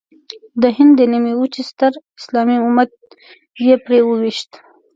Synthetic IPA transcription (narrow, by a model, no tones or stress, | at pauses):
d̪əɦɪnd̪ːənimiwut͡ʃist̪əɾɪslɑmiumat̪̚ | jepɾewəwiʃt̪